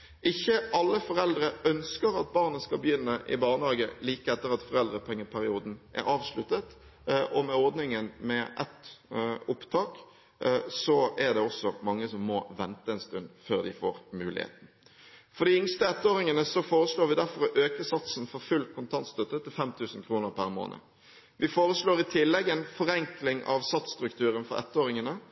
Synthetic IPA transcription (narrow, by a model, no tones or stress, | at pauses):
ɪçːəʔɑlːəfɔɾɛld̪ɾəœnskəɾɑt̪̚bɑːʁnəskɑbəjʏnːəʔɪ̰bɑːʁnɑːɡəliːkəɛt̪ːəɾɑt̪fɔɾɛld̪ɾəpʰɛŋːəpʰæɾɪuːd̪n̩ʔæ̰ɾɑːʋslʉt̪ːət̪ʔɔmɛɔɾd̪nɪŋənmɛʔɛ̰t̪ʊpt̪ʰɑːk | sɔæʁd̪ɛɔsːɔmɑŋːəsɔmːɔʋɛnt̪əɛnst̪ʉnd̪føːɾd̪ɪfo̰ːɾmʉːlɪ̰hḛːt̪n̩ | fɔɾɖ̪ɪɪŋst̪əɛt̪ːoːɾɪŋənəsɔfoːɾəsloːɾʋɪd̪æɾfɔɾɔʔøːkəsɑt̪snfɔɾfʉlkʰʊnt̪ʰɑnt̪st̪œt̪ːət̪ɪlfɛmt̪ʰʉːsənkʰɾuːnəɾpʰæɾmo̰ːnə̰ | ʋɪfoːɾəsloːɾɪt̪ʰɪlːɛɡɛnfɔɾɛŋklɪŋʔɑ̰ʋsɑt̪st̪ɾʉkt̪ʰʉːɾənfɔ̰ɾɛ̰t̪ːoːɾɪŋənə